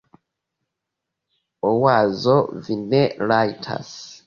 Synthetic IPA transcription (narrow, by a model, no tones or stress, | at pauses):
owazovineɾajitʰa̰s